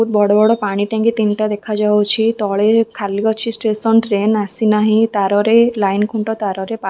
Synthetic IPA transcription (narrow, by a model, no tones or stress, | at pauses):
ut̪̚bɔɽɔbɔɽɔpaɽ̃iʈãŋkit̪inʈad̪ekʰad͡ʒat͡ʃʰit̪ɔɭekʰaliɔt͡ʃʰisʈesɔɳʈɾenasinaɦĩt̪aɾɔɾelajnkʰuɳʈɔt̪aɾɔɾepa